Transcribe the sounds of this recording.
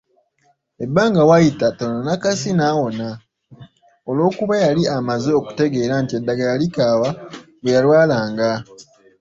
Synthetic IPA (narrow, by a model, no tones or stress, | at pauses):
e̞bːaːŋɡawajitatononakasinaːwo̞na | o̞lwo̞ːkuβajaliamazeoku̥te̞ɡe̞ːɾantie̞dːaɡajalikaːwa | wejalwaːlaːŋɡa